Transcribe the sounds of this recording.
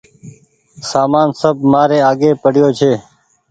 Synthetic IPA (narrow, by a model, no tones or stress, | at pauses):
saːmaːnsəb̚maːɾeːaːɡeːpəɽɪjoːt͡ʃʰeː